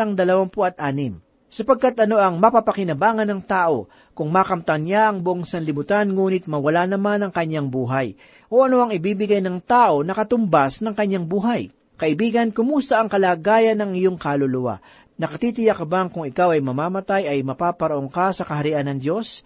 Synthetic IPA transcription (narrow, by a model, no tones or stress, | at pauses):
ɐŋd̪ɐlɐwampoɐt̪̚ʔaːnɪm | sɐpɐɡ̚kat̪ʔɐno̞ʔɐŋmɐpapɐkɪnɐbaːŋɐnɐŋt̪aːʔo̞ | kʊŋmaːkɐmt̪ɐŋɲaʔɐŋbʊʔoŋsɐnlɪmʊt̪anŋuːnɪt̪̚mɐwɐlanɐmanɐŋkɐɲːaŋbuːɦaj | ʔo̞ʔɐno̞ʔɐŋɪbiːbɪɡajnɐŋt̪aːʔo̞nɐkɐt̪ʊmbasnɐŋkɐɲaŋbuːɦaj | kɐʔɪbiːɡɐnkʊmust̪ɐʔɐŋkɐlaːɡaːjɐnɐŋɪjoŋkalolʊwa̰ | nɐkɐt̪it̪ɪjakɐbaŋkʊŋɪkawɐjmɐmaːmɐt̪ajɐjmɐpaːpɐɾɐʔoŋkasɐkɐɦɐɾɪʔanːɐŋd̪jo̞s